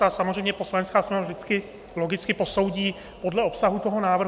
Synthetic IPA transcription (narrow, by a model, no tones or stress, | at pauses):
asamozr̝ɛjmɲɛpo̞slaɲɛnskaːsmɛnavʒdɪt͡skɪ | lo̞ɡɪt͡skɪpo̞so̞wɟiː | po̞dlɛo̞psaɦut̪o̞ɦo̞naːvrɦ